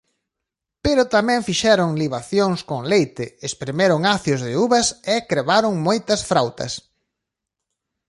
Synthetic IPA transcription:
peɾʊt̪amɛ̃ŋfiʃɛɾʊŋliβaθjoŋskoŋlejt̪ɪespɾemeɾʊŋaθjozðɪuβɐsekɾeβaɾʊŋmojt̪ɐsfɾawt̪ɐ̰s

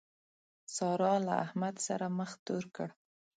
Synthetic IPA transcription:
sɑɾɑlaahmad̪sa̰ɾaməxt̪oɾkəɽ

